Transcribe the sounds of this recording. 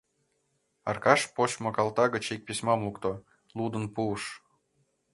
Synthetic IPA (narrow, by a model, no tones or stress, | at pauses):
ɑ̰rkɑʃpoɕmokɑlt̪ɑɣət͡ɕik̚pisʲmɑmlukt̪o | lud̪ə̆npuːʃ